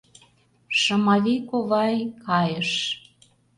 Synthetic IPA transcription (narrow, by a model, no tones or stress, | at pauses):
ʃɤ̆mɑβikoβɑjkɑjəʃ